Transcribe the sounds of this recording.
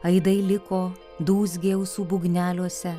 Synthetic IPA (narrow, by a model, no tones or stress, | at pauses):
ɐɪd̪ɐɪlʲɪkoː | d̪uːs̬ʲɡʲeːʊsuːbʊɡnʲæːlʲuɔsʲɛ